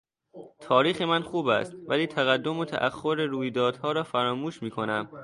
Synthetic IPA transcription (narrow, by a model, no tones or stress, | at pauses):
t̪ʰɒːɾiːxemænxuːbæ̰st̪̚væliːt̪ʰæɣæd̪ːo̞mot̪ʰæ̰ʔæxːoɾeɾuːjd̪ɒːd̪̥hɒːɾɒːfæɾɒːmuːʃmiːkʰo̞næm